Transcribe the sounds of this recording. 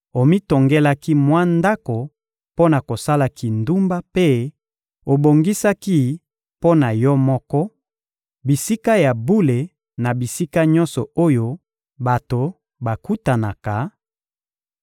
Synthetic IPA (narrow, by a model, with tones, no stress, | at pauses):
o˨mi˦to˨ŋɡe˦la˦ki˦mwa˦nda˦ko˨ | po˦na˨ko˨sa˦la˨ki˨ndu˦mba˦pe˦ | o˨bo˨ŋɡi˦sa˦ki˦ | po˦na˨jɔ˦mɔ˦kɔ˦ | bi˨si˦ka˦ja˨bu˦le˨ | na˨bi˨si˦ka˦ɲɔ̃˦nsɔ˨o˦jo˦ | ba˨to˨ | ba˨ku˦ta˨na˨ka˨